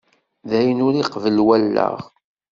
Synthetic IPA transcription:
ðæjənʊɾiqvəlwælːə̰ʁ

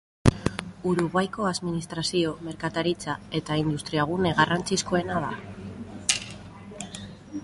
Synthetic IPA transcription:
uɾuɣwajko̞aðminist̪ɾasio̞me̞ɾkat̪aɾit͡sae̞t̪aind̪ust̪ɾiaɣ̞une̞ɣarant͡sisko̞e̞naða̰

